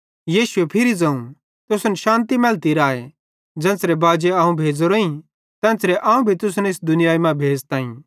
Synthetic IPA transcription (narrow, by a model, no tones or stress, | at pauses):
jiːʃʊepʰɪɾid͡zɐ̃ũ | t̪ʊsʊnɛʃãːnt̪imɛːlt̪iɾaːe | d͡zɛ̃ːnsɾebaːd͡ʒeaːũbʱeːd͡zoɾoĩ | t̪ɛ̃ːnsɾeʔaːũbʱit̪ʊsnɛɪsd̪ʊnɪjaːimãbʱeːd͡zt̪ãːḭ̃